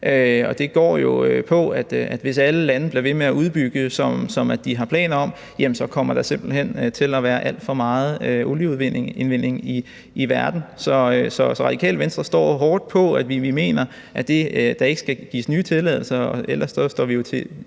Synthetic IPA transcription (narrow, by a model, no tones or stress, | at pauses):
ʔøɒ̽d̥e̝ɡ̥ɒ̰ːjo̝øpʰɒ̽æd̥æd̥ʋe̝sæləlænəb̥liɐʋe̝meæʔuðˠb̥yɡ̥əsɒ̽msɒ̽mædd̥iɦɑ̈pʰlɛ̰ːnɐɒ̽m | jæmnsɒ̽kʰɒ̽m̰ɐd̥ɑ̈se̝mb̥l̩ɦen̰t͡sʰe̝læʋæːɐʔæl̰d̥fɒ̽mɑ̈ːð̞̩ˠøoljəuðˠʋene̝nʋe̝n̰e̝ŋi | iʋæɐd̥n̩sɒ̽øsɒ̽sɒʁɑ̈d̥ikʰɛ̰ːləʋensd̥ʁɐsd̥ɒ̰ːɦɒːd̥̚pʰɒ̽æd̥ʋiʋime̝̰ːnɐ | ʔæd̥e̝d̥ɑ̈e̝ɡ̥sɡ̥æɡ̥ḭːsnyːt͡sʰe̝lɛ̰ðˠl̩sɐɒel̰ɐssɒ̽sd̥ɒ̰ːʋijo̝t͡sʰe̝